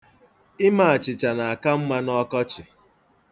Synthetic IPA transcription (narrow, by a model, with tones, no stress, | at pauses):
ɪ˦ma˨a˨t͡ʃɪ˨t͡ʃa˨na˨a˨ka˦m̩˦ma˦nɔ˦kɔ˦t͡ʃɪ˨